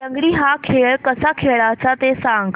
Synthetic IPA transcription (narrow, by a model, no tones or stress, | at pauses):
təŋɡɽiːɦakʰeɭkəsakʰeɭat͡sat̪esaŋɡ